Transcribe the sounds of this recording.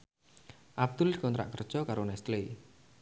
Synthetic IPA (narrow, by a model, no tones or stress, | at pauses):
ʔab̚d̪ʊlkɔnt̪ɾa̰ʔkərd̥ʒ̥ɔkaɾonɛst̪le